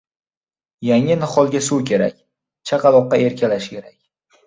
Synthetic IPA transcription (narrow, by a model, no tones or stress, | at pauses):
jaŋɪnɪχɒlˠɡʲasuwkʲʰe̞ɾa̰kʲ | t͡ʃʰaqʰɑlˠɒqːɑe̞ɾkʲʰalaʃkʲe̞ɾakʲ